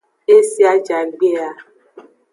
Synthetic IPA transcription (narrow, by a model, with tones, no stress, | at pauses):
e˦si˦a˦d͡ʒa˨ɡ͡be˦a˦